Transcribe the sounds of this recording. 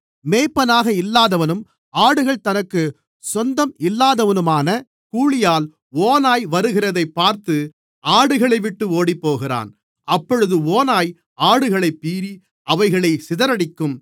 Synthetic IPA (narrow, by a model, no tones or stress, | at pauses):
meːjpːɐnaːɣɐɪlːaːðɐʋɐnɯm | aːɽɯɣɐɭt̪ɐnɐkːɯ | sɔnd̪ɐmɪlːaːðɐʋɐnɯmaːnɐ | kuːɭɪjaːl | oːnaːjʋɐɾɯɣɪrɐðɐɪpːaːɾt̪ɯ | aːɽɯɣɐɭɐɪʋɪʈːɯoːɽipːoːɣɪra̰ːn | ɐpːɔɻɯðɯoːnaːj | aːɽɯɣɐɭɐɪpːiːɾi | ɐʋɐɪɣɐɭɐɪsɪðɐɾɐɽɪkːɯm